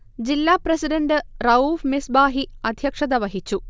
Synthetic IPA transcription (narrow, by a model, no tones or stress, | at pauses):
d͡ʑilːaːprɐsiɖɐnɖɨrɐuːfmisbaːɦiɐd̪ʱjɐkʂɐd̪ɐʋɐɦit͡ɕːu